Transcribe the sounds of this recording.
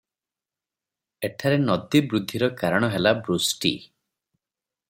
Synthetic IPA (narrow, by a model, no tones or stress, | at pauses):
eʈʰaɾenɔd̪ibɾud̪ʱːiɾɔkaɾɔɽ̃ɔɦelabɾusʈḭ